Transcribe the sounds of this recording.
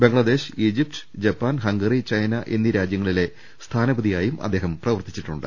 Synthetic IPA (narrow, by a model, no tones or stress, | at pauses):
be̞ŋɭɐd̪e̞ːɕiːd͡ʑip̚ʈɨ̥d͡ʑɐpːaːnɦɐŋɡɐrit͡ɕɐjnɐʔend̪iɾaːd͡ʑjɐŋːɐɭile̞ | st̪ʰaːnɐbɐðijaːjumʔɐ̰d̪ːe̞ːɦɐmprɐʋɐrt̪i̥t͡ɕːiʈːuɳɖɨ̰